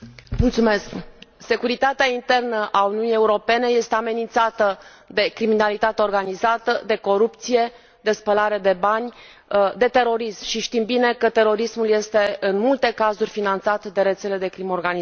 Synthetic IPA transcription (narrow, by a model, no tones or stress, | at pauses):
mult̪sume̞skse̞kuɾit̪at̪eaint̪e̞rnəʔaunijunije̞uɾo̞pe̞ne̞je̞st̪e̞ame̞nint̪sat̪ə | d̪e̞kɾiminalit̪at̪eo̞rɡanizat̪əd̪e̞ko̞ɾupt̪sije̞ | d̪e̞spəlaɾe̞d̪e̞banʲ | d̪e̞t̪e̞ɾo̞ɾismʃiʃt̪imbine̞kət̪e̞ɾo̞ɾismulje̞st̪e̞ɨnmult̪e̞kazurʲfinant̪sat̪d̪e̞ɾe̞t̪se̞le̞d̪e̞kɾimorɡani